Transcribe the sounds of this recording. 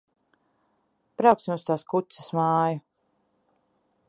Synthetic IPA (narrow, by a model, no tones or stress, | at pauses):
pɾawksmust̪aːskut̪sɛ̥smaːju